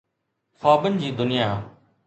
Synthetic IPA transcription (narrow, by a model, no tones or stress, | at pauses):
faːbənɪd͡ʑiːd̪ʊnɪjaː